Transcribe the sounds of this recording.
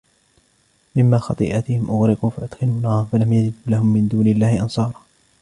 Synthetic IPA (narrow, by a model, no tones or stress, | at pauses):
mɪmːaːxɑt̪ˤḭːʔat̪ɪhɪmʔʊɣɾɪquːfaʔʊd̪̥xɪluːnaːmfalamjad͡ʒɪd̪ːlahʊmːɪnd̪uːnɪlːaːhɪʔɑnsˤɑːɾˤɑː